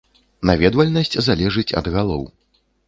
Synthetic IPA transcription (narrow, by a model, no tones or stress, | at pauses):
navʲɛd̪vɐlʲnɐsʲt͡sʲzalʲɛʐɨt͡sʲɐ̰d̪ɣalˠɔ̰w